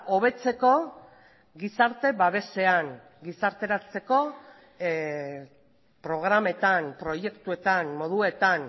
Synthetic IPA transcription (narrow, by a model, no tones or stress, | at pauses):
o̞β̞e̞t͡se̞ko̞ | ɡisaɾt̪e̞βaβe̞se̞aŋ | ɡisaɾt̪e̞ɾat͡se̞ko̞ | pɾo̞ɣ̞ɾame̞t̪anpɾo̞je̞kt̪ue̞t̪anmo̞ðue̞t̪an